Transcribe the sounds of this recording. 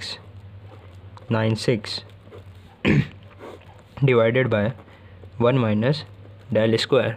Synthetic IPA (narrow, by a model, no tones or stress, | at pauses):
s | nãɪ̃nsɪks | ɖɪʋaɪɖeɖbaɪ | ʋʌ̃nmaɪnəsɖelɪskweːɾ